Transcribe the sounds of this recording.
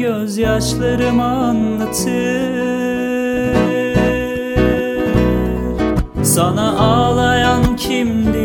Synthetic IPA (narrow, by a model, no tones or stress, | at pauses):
øzjaʃlˠaɾɯmanlat̪ʰɯ | sanaʔaːlˠajancʰimd̪i